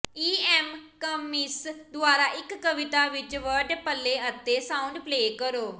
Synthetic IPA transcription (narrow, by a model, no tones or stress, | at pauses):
iːɛːmkəmɪsd̪ʊaːɾaːʔɪkːəʋɪt̪aːʋɪt͡ʃʋəɾɖpəlːẽːət̪ːeːsãːʊɳɖpleːkəɾoː